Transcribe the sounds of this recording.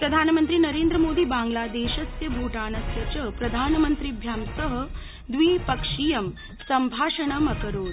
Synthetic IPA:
pɾɐd̪ʱaːnmənt̪ɾiːnɐɾeːnd̪ɾəmoːd̪iːbaːŋɡlaːd̪eːʃɐsjɐbʱuːʈaːnɐsjɐt͡ɕəpɾɐd̪ʱaːnmɐnt̪ɾibʱjaːmsəɦə | d̪ʋiːpɐkʂijɐm | sɐmbʱaːʂɐɳɐmɐkəɾoːɾ

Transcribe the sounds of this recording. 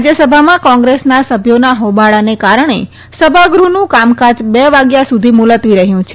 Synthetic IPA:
d͡ʒəsəbʱamãkɔ̃ŋɡɾesnasəbʱjonaɦobaɭanekaɾəɳ̃ḛ | səbʱaɡɾunũkamkad͡ʒbeʋaɡjasud̪ʱimulət̪ʋiɾəɦjũt͡ʃʰe

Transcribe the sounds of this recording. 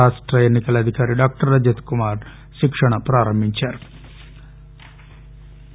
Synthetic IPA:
aːʂʈɾɐenːikɐlɐd̪ʱikaːɾiɖaːk̚ʈɐɾːɐd͡ʒɐt̪kumaːɾ | ʃikʂɐɳɐpɾaːɾɐmbʱiɲt͡ʃaːɾu

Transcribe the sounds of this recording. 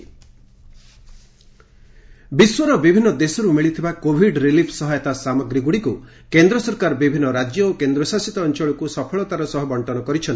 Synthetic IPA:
biswɔɾɔbibʱinːɔd̪esɔɾumiɭit̪ʰibakobʱiɖɾilipʰsɔɦajɔt̪asamɔɡɾiɡuɽiku | kend̪ɾɔsɔɾkaɾɔbibʱinːɔɾad͡ʒjɔokend̪ɾɔsasit̪ɔːnt͡ʃɔɭɔkusɔpʰɔɭɔt̪aɾɔsɔɦɔbɔɳʈɔnɔkɔɾit͡ʃʰɔn

